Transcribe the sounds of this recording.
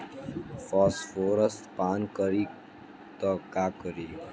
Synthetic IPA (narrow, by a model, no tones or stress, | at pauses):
fɔːsfoːɾəst̪paːnkəɾiː | t̪ɔkaːkəɾiː